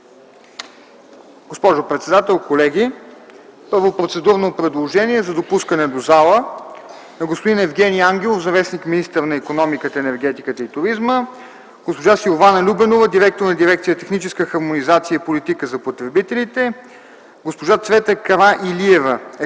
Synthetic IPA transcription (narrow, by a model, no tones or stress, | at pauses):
ɡ̥ospɔʒopɾɛt̪sɛd̪at̪ɛlˠkolɛɡʲi | pɤɾvopɾot̪sɛd̪uɾnopɾɛd̪lˠoʒɛniɛzɐd̪opuskənɛd̪ozalˠə | ɛɡospod̪inɛvɡʲɛnijaŋɡ̟ʲɛlˠofzɐvɛsnikminist̪əɾnɐikonɔmikət̪əɛnɛɾɡɛt̪ikət̪əit̪ʊɾizmə | ɡ̥ospoʒasilˠovanəlʲubɛnovəd̪iɾɛk̚t̪oɾnɐd̪iɾɛk̚t̪sijət̪ɛxnit͡ʃɛskəxɐɾmonizat̪siəipolit̪ikəzɐpot̪ɾɛbit̪ɛlit̪ɛ | ɡospoʒat̪svɛt̪əkɐɾaʔiliɛvəɛ